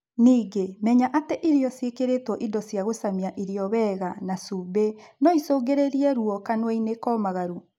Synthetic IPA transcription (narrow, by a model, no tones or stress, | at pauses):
niːɡemɛɲaʔateʔiɾiɔsjekeɾetwɔʔidɔsjaɣosamiaʔiɾiɔβɛːɣanasubenɔisoːɡeɾeɾiɛɾuɔkanwɛinekɔmaɣaɾu